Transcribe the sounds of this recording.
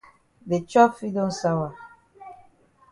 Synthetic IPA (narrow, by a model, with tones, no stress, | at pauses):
de˨t͡ʃɔ˦pfi˦dõ˦nsa˦wa˨